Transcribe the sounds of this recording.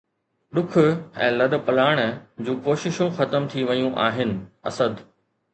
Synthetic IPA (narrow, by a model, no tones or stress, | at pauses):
ɗʊkʰʊ̆ɛ̰̃ːlɐɗ̆pɐlaːɪɽ̃̆d͡ʑũːkoːʃɪʃũxɐt̪əmt̪ʰiʋɐjũʔa̰ːɦɪnɪ̆ɐ̰səd̪